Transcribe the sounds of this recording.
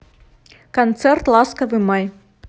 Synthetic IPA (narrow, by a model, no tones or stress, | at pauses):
kant̪sɛrt̪lˠaskɐvɨmaj